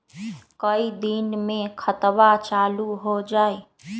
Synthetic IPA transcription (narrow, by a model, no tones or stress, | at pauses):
kəid̪inmẽkʰət̪ʋat͡ʃaːluɦod͡ʒaːe